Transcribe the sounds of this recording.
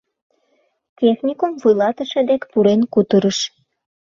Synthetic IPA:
tʲexnʲikomvujlɑt̪əʃĕd̪ekpuɾenkut̪əɾəʃ

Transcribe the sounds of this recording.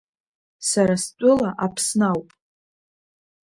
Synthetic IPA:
saɾast͡pʷʼʊlaʔapʰsnawpʼ

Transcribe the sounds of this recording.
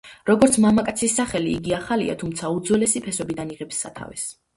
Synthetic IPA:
ɾɔɡɔɾt̪sʰmamakʼat̪sʰisːaχɛliːɡiaχalḭa̰t̪ʰumt̪sʰaud̪zwɛlɛsipʰɛsɔbid̪aniʁɛpsːa̰t̪ʰa̰vɛ̰s

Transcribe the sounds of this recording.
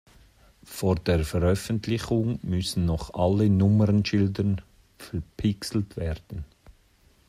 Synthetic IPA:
foːɾd̥eːɾfəɾœfəntʰlɪχʊŋmʏsən̩nɔχʔalːənʊməɾənʃɪldən | fɛɾpʰɪksl̩tvɛɾd̥ən̩

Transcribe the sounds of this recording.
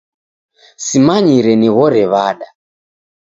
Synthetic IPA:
simaɲiɾɛniɣɔɾɛβaɗa

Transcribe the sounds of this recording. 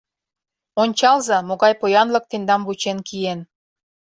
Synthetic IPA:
onʲt͡ɕɑlzɑmoɣɑjpojɑnlɤ̆k̚t̪end̪ɑmβut͡ɕenkien

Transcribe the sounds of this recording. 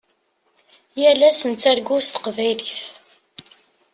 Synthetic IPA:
jælæsənt͡sːæɾɡust̪ə̥qvæjliθ

